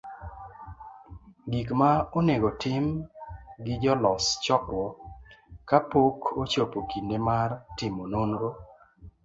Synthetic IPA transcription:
ɡikmaoneɡotɪm | ɡɪd͡ʒɔlɔst͡ʃɔtwɔ | kapokʰot͡ʃopokindemartɪmononɾo

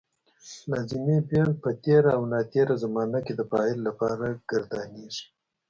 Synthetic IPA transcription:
lɑzɪmebjɑn̚pət̪eɾaawnɑt̪eɾazamɑnaked̪əpɑɪlːapɑɾaɡ̥ɪɾd̪ɑnizi̥

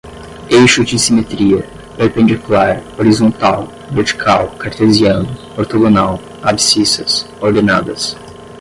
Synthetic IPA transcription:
ejʃʊd͡ʒɪsimet̪ɾiɐ | peɾpẽnd͡ʒkulaɾoɾizõnt̪aw | veɾt͡ʃi̥kʰawkaɾt̪eziɐ̃nʊ | oɾt̪oɡonaw | absisɐs | oɾd̪ena̰d̪ɐs

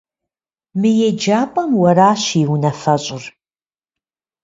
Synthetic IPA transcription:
mɨjɛd͡ʒaːpʼɐmwɐɾaːɕiwnɐfɐɕʼʊr

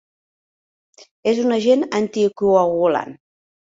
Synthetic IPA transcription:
ezunəʒenənt̪ikuəɣula̰n

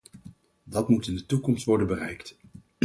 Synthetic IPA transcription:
dɑtmutɪndətukɔmstʋɔɹdənbərɛjkt

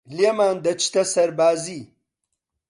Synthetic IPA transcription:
ljemaːnd̪ɐt͡ʃt̪ɐsɐɾbaːzi

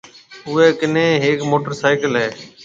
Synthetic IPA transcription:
ʊeːkɪnẽːɦeːkmoːʈəɾsaːɪkəlɦeː

